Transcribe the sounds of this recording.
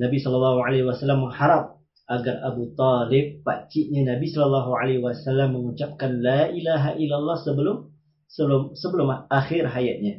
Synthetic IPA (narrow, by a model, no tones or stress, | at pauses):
nabisɔləlːɑɦuʕalawasalːamːəŋhaɾap̚ | ʔaɡarabut̪ɑlɪp̚ːa̰t͡ʃɪʔɲanabisɔləlːɑɦuʕalaiwasalːamːəŋut͡ʃap̚kanlaʔilaɦaʔilːalˤːɑhsəbəlʊm | səlʊmsəbəlʊmlahaxɪrɦajat̪̚ɲa